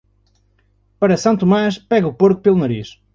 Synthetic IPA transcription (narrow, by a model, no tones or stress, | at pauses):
pɐɾɐsɐ̃t̪umaʃpɛɣɐupoɾku̥pelˠunɐɾiʃ